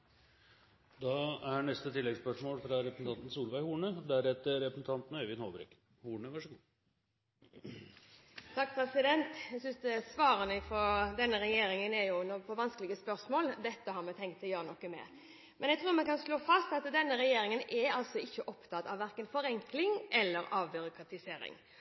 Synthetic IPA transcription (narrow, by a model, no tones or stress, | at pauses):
d̪ɑæɳɛst̪ət̪ʰɪlːɛɡspœʂmoːlfɾɑɾɛpəsn̩ʰɑnt̪n̩suːlʋæɪhuːɳəd̪æɾɛt̪ːəɾɛpɾsn̩t̪ʰɑnt̪n̩øːʋɪnhoːbɾɛ̰k | huːɳəʋæʂəɡuː | t̪ʰɑkːpʰɾɛsɪd̪ɛnt̪æɡsʏnsd̪ɛsʋɑːɾənəfɔd̪ɛnːəɾɛjeːɾɪŋənɛɾjʊnɔpʰɔʋɑnskəlɪɡəspœɾsmoːld̪ɛt̪ːəhɑɾmɛt̪ʰɛŋk̚t̪ʰːɪljøːɾənɔkːəmɛ̰ | mɛnjɛt̪ʰɾuːɾmɛkɑnsloːfɑst̪ɑt̪d̪ɛnːəɾɛjeːɾɪŋənɛɑlsɔɪçːəʔɔpt̪ʰɑt̪ɑʋːæɾkənfɔɾɛŋklɪŋʔɛlːəɾɑʋbʏɾʊkʰɾɑt̪ɪseːɾɪ̰ŋ